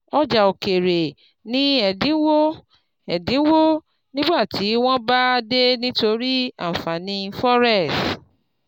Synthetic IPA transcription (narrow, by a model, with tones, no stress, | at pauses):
ɔ˦d͡ʒa˨o˨ke˨ɾe˨ | nĩ˦ɛ˨dĩ˨˦wo˦ | ɛ˨dĩ˨˦wo˦ | nĩ˦ɡ͡ba˦˨tʰi˨˦w̃ɔ̃˦ba˦de˦nĩ˦to˧ɾi˦a̰˦˨fa˨nĩ˧fɔ˦ɾɛ˦˨s